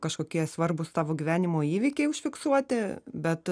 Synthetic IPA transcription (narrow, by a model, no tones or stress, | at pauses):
kɐʃkoːkʲiɛsʋɐrbʊst̪ɑːʋoːɡʲiʋʲæːnʲɪmoːiːʋʲɪkʲɛɪʊʃʲfʲɪksuɔt̪ʲɪbʲɛt̪